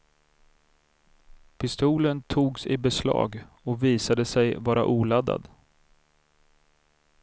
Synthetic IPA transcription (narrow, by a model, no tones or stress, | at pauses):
pʰɪst̪uːlənt̪ʰuːɡsɪbɛslɑ̰ːɡ | ɔviːsad̪əsɛjvɑːɾa̰ʔuːlad̪a̰d̪